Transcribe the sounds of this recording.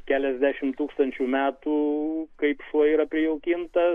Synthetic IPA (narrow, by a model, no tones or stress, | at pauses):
kʲæːlʲɛzʲd̪ʲæʃʲɪmt̪uːkst̪ɐnʲt͡ʃʲuːmʲæːt̪uːkɐɪpʃɔiːɾɐpʲɾʲɪjɛʊkʲɪnt̪ɐ